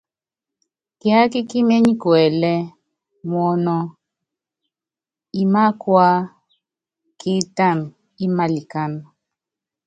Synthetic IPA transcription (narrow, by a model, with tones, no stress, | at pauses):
ki˦a˦ki˦ki˦mɛ˦ɲi˦kwɛ˨lɛ˦ | mwɔ˦nɔ˦ | i˦ma˦kwa˦ | kʰi˦ta˦˨n | i˦ma˨li˨ka˦n